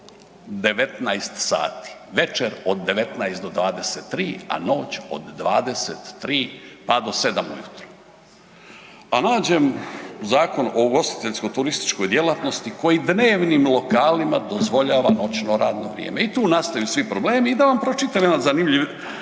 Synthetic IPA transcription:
d̪e̞ʋe̞t̪najst̪sa̰ːt̪i̥ʋe̞t͡ʃeɾo̞d̪ːe̞ʋe̞t̪najst̪d̪od̪ʋaːd̪eset̪ːɾiːa̰no̞ːt͡ɕo̞̰d̪ːʋaːd̪e̞set̪ːɾiːpad̪o̞se̞d̪amṵjut̪ɾu̥ | anaːd͡ʑe̞mzaːko̞no̞ɡo̞st̪i̥t̪eʎʲsko̞t̪uɾist̪i̥t͡ʃko̞jd̪jelat̪no̞st̪iko̞jid̪neːʋnimlˠo̞kaːlimad̪o̞zʋo̞ʎaːʋano̞t͡ʃno̞ɾaːd̪no̞ʋɾjḛːmeit̪uːnast̪ajusʋipɾo̞bleːmiːd̪aʋampɾot͡ʃit̪amenad̪zanimʎiʋ

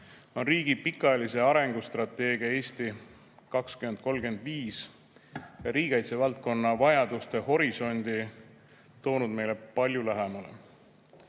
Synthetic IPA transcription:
o̞nriːɡ̥ipikˑːɑelise̞ɑɾe̞ŋɡ̥ust̪rɑt̪ːˑe̞ːɡiɑe̞ːsʲt̪i | kɑkskymend̪̚ko̞lɡ̥e̞nd̪̥viːs | jɑɾiːɡ̥ɑjt̪sevɑlt̪̚ko̞nːɑvɑjɑd̪̥ust̪e̞ho̞ɾiso̞nʲd̪̥i | t̪o̞ːnud̪̚me̞jle̞pɑlʲjulæɦemɑlḛ

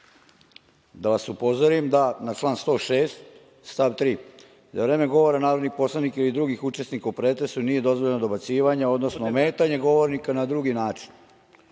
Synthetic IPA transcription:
d̪aʋasupo̞zoɾimd̪anat͡ʃlˠaːnst̪o̞ːʃeːst̪ | st̪aʋt̪ɾiː | zaʋɾe̞ːmeɡo̞ʋo̞ɾanaːɾod̪nipo̞slˠanikailid̪ɾuɡixut͡ʃesnikaupɾeːt̪ɾesunije̞d̪o̞zʋoʎenod̪o̞bat̪siːʋaɲao̞d̪nosnomeːt̪aɲeɡo̞ʋo̞ɾnikanad̪ɾuɡinaːt͡ʃi̥n

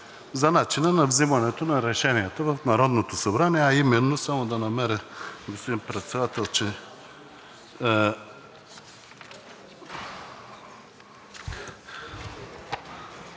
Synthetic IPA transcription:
zɐnat͡ʃinənɐvzimɐnɛt̪onɐɾɛʃɛniɛt̪əvɐfnɐɾɔd̪not̪osɐbɾaniɛaimɛnːosamod̪ɐnɐmɛɾəɡospod̪inpɾɛt̪sɛd̪at̪ɛlˠt͡ʃɛ

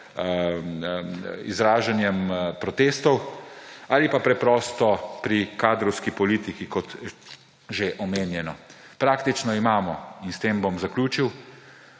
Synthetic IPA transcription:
ḭzɾaːʒanjɛmpɾɔt̪eːst̪ɔw | aːlipapɾɛpɾɔːst̪ɔpɾikaːd̪ɾɔwskipɔliːt̪ikikɔt̪ | ʒeʔɔmeːnjɛnɔ | pɾaːkt̪it͡ʃnɔimaːmɔinst̪eːmbomzaklʲuːt͡ʃiw

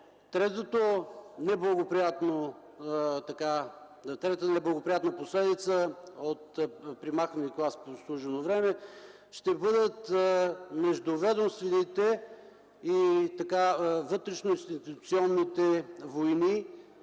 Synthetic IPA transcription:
t̪ɾɛt̪ot̪onɛblˠəɡopɾijat̪no | t̪ɐka | t̪ɾɛt̪t̪nɛblˠəɡopɾijat̪nəposlɛd̪it̪səot̪pɾimaxvɐniklˠasposlˠuʒɛnovɾɛmɛ | ʃt̪ɛbɤd̪ət̪ | mɛʒd̪ʊvɛd̪omst̪vɛnit̪ɛ | it̪ɐkavɤt̪ɾɛʃnoĩnst̪ist̪it̪ut̪siɔnːit̪ɛvojni

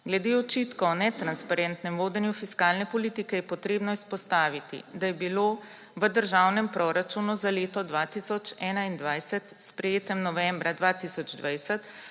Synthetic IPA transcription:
ɡlɛd̪eɔt͡ʃiːt̪kɔnɛt̪ɾanspaɾɛnt̪nɛmʋoːd̪ɛnjufiskaːlnɛpɔlit̪ikɛjɛpɔt̪ɾeːbnɔispɔst̪aːʋit̪ḭd̪ajɛbilo | ʋəd̪əɾʒaːwnɛmpɾɔɾat͡ʃunuzaleːt̪ɔd̪ʋaːt̪isɔt͡ʃɛːnaind̪ʋajsɛt̪spɾɛjeːt̪ɛmnɔʋɛmbɾad̪ʋaːt̪isɔd͡ʒd̪ʋajsɛt̪

